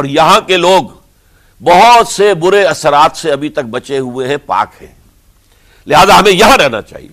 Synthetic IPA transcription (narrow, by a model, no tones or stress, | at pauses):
ɔːɾjɐɦãkeloːɡ | bɐɦʊt̪sebʊɾeɐsəɾaːt̪seɐbʱit̪ɐk̚bɐt͡ʃeɦueɦɛ̃pa̰ːkhɛ̰̃ː | lɪɦaːzaɦɐmẽjɐɦãɾɛɦna̰t͡ʃa̰ːɦḭe